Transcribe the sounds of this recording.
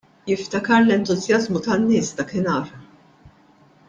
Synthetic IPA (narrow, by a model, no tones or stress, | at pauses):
jɪft̪ɐkɐɾlɛnt̪ʊzjɐzmut̪ɐnːɪːsd̪ɐkɪnɐːɾ